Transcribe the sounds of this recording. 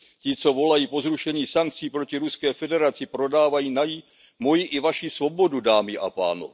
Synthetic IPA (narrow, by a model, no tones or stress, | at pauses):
cɪt͡so̞vo̞lajiːpo̞zɾuʃɛɲiːsaŋk̚t͡siːpɾo̞cɪɾuskɛːfɛdɛɾat͡sɪpɾo̞daːvajiːnaji | mo̞jiʔɪvaʃisvo̞bo̞dudaːmɪʔa̰pa̰ːno̰